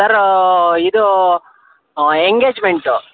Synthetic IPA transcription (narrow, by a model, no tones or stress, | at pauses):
sɐɾid̪u | eŋɡeːd͡ʒmeɳʈu